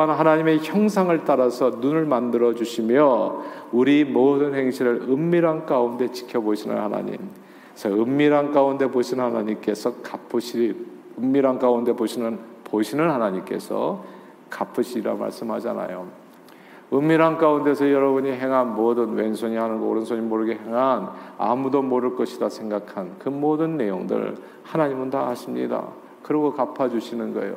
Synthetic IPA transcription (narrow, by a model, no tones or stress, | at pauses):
anɦanaɲime̞çjʌŋsʰaŋɯɭt͈aɾasʰʌnunɯɭmandɯɾʌd͡ʑuɕʰimjʌuɾimodɯnhe̞ŋɕʰiɾɯɭɯmːiɾank͈aunde̞t͡ɕi̥kʰjʌboɕʰinɯ̰nhana̰ɲḭm | sʰʌɯmːiɾank͈aunde̞boɕʰinɯnhanaɲimk͈e̞sʰʌkapʰɯɕʰi | ɯmːiɾank͈aunde̞boɕʰinɯnpoɕʰinɯnhanaɲimk͈e̞̰sʰʌ̰ | kapʰɯɕʰiɾiɾa̰ma̰ɭs͈ɯmɦad͡ʑana̰jo | ɯmːiɾankaunde̞sʰʌjʌɾʌbuɲiɦe̞ŋɦanmodɯnwe̞nsʰoɲihanɯnɡoo̰ɾɯnsʰoɲimoɾɯɡeɦe̞ŋɦana̰mudomoɾɯɭk͈ʌɕʰidasʰe̞ŋɡakʰankɯmodɯnːe̞joŋdɯ̰ɭ | hanaɲimɯntaaɕʰimɲḭda̰ | kɯɾiɡokapʰad͡ʑuɕʰinɯnɡʌ̰ḛjo̰